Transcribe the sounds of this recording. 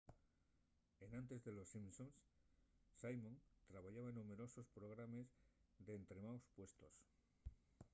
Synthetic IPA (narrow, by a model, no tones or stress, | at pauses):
e̞nãnt̪e̞zðe̞lo̞sːimsonsː | ajmõnt̪ɾaβaʝaβaenũme̞ɾoso̞spɾo̞ɣ̞ɾame̞zðe̞ːnt̪ɾe̞mawspwe̞st̪o̞s